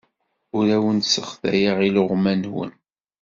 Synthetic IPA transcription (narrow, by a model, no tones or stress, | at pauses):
ʊɾæwənsəχðæ̰jaʁilʊʁmænwə̰n